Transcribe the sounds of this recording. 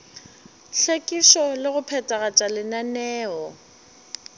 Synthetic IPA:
ɬʰekʼiʃɔlɪɣʊpʰɛtʼaɣat͡ʃʼalɪnanɛːɔ

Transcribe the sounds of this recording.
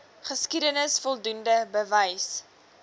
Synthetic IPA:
χəskidənəsfɔlˠdundəbəvəjs

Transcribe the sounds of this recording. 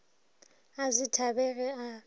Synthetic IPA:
azitʰabɛɣɛa

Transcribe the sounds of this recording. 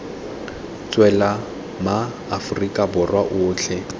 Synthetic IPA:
t͡sʼwɛla | maː | fʊrikʼabʊrwaʔʊːt͡ɬʰɛ

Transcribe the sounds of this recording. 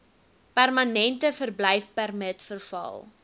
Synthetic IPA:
pærmɐnɛntəfərbləjfpærmətfərfɐ̰lˠ

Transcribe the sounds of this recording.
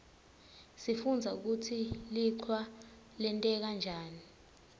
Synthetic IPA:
sifund͡zʱauk̬utʰiliǀʰwa | lɛntʼɛk̬and͡ʒʱaːni

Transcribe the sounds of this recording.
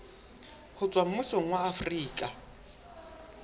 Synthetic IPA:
hʊt͡sʼwam̩mʊsɔŋ̩waːfriːkʼa

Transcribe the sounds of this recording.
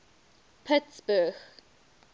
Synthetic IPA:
pʰɪtsbəx

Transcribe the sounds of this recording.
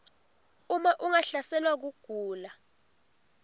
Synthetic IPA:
umaʔuŋaɬasɛlwak̬uɡ̥ʱuːla

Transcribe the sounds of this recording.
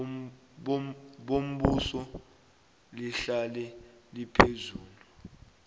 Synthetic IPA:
ɓom̩ɓusɔ | liɬalɛlipʰezuːlu

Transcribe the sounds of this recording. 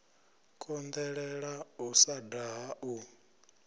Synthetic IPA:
kʼɔnd̪ɛɺɛɺausadaɦaʔu

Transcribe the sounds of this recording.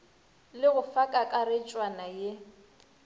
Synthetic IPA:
lɪɣʊfakʼakʼarɪt͡ʃʼwanaje

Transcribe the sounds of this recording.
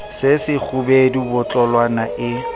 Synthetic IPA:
sɪsɪk͡xʰʊbedibʊt͡ɬʼɔlwanaʔɪ

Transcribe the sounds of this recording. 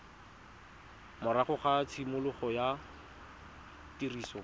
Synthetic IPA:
mʊɾaχʊχat͡sʰimʊlʊχɔja | tiriːsɔ

